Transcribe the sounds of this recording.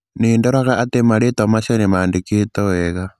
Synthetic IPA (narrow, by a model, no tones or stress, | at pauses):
niːndoɾaɣaʔatemaɾetamaʃonemaːndikitoweɣa